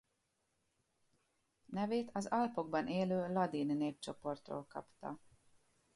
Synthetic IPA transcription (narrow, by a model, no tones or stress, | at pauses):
nɛveːt̪ɒzɒlpo̞ɡ̚bɒnʔeːløːlɒd̪iːnːeːp̚t͡ʃo̞po̞rt̪ro̰ːlkɒ̰pt̪ɒ̰